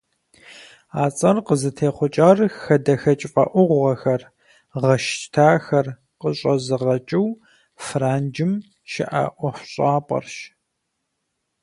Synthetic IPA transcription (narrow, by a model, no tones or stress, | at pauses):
aːt͡sʼɐrqəzɨtʰeːχʷʊt͡ʃʼaːrxɐdɐxɐt͡ʃʼfʼɐ̰ʔʷʊʁʷʁɐxɐr | ʁɐʃtʰaːxɐr | qəɕʼɐzɨʁɐt͡ʃʼɪw | fraːnd͡ʒɪm | ʃɪ̰ʔa̰ʔʷɔxʷɕʼaːpʼɐ̰rʃ